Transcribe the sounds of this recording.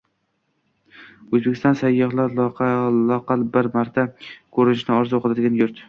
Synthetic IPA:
ɵzbekʲɪ̥st̪ɒ̃nsajːɒhlaɾlqlɒqɑlˠbɪɾmaɾt̪ʰakʰɵɾɪnɪʃnɪɒɾzoqʰɨlad̪ɪɡʲanjʊɾt̪

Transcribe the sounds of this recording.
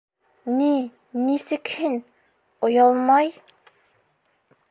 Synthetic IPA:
ni | nisɪkʲʰɪn | ojɑlˠmɑj

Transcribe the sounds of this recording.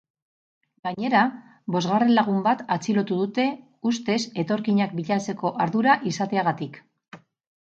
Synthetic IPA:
ɡaɲe̞ɾa | bo̞zɣare̞nlaɣ̞umbat̪at͡silo̞t̪uðut̪e̞ | ust̪e̞se̞t̪o̞ɾkiɲak̚biʎat͡se̞ko̞ʔaɾðuɾaʔisat̪e̞aɣat̪ik

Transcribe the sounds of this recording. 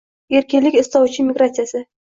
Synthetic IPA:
e̞ɾkʲɪnlɪkʲɪst̪ɒwt͡ʃʰɪmʲiɡɾat̪sijasɪ

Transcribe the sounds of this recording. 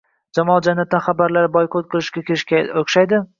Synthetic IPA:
d͡ʒamɒlˠd͡ʒanːat̪̚ːanχabaɾlaɾbɒjqʰot̪̚qʰɨlˠɪʃkʲakʲʰeɪʃkʲaoχʃajd̪ɪ

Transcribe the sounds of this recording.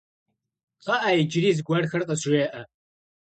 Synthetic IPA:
qɐʔajɪd͡ʒɾiːzɡʷɐrxɐrqʼɐseːʔɐ

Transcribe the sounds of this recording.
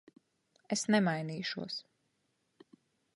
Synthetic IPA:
esnɛmajniːʃuɔs

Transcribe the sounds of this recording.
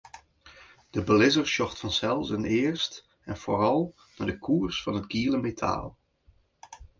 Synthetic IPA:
d̥əbəlɪzəɹʃɔχtfɑnsɛlˠsənɪːɹst | ɛnv̥oːrɑlˠ | naːɹdəkʰuːrsfɑnɦətɡiləmetʰa̰ːlˠ

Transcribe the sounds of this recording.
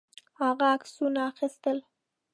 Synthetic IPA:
haɣaːksunaːxist̪əl

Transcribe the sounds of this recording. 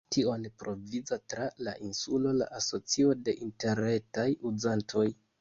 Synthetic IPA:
tio̞npɾo̞vid͡zatɾala̰ʔinsulo̞la̰ʔaso̞t͡sio̞de̞ʔinte̞ɾe̞tajuzantʰo̞j

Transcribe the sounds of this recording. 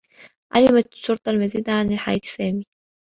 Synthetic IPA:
ʕa̰lɪmat̪ʃːʊɾˤt̪ˤɑlmaziːd̪aʕanɪlħaja̰ːt̪sæːmi

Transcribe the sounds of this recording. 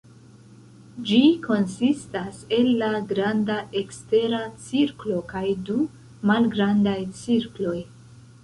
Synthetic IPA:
d͡ʒiko̞nsistase̞lːaɡɾandaʔe̞kste̞ɾat͡siɾklo̞kajdu | malɡɾandajt͡siɾklo̞j

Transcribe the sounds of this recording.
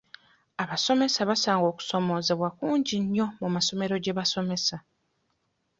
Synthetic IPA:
aβaso̞me̞saβasaːŋɡo̞ːku̥so̞mo̞ːze̞βwakuːɲɟiɲːo̞mumaso̞me̞ɾo̞ɟe̞βaso̞me̞sa

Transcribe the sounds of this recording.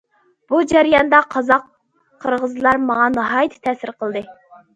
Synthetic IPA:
b̥ud͡ʒæɾjɑnd̪ɑqʰɑzɑqʰː | əɾʁəzlˠɑɾmɑŋɑnɑɦɑjit̪ʰɪ̥t̪ʰɛsɪɾqʰəlˠd̪ɨ

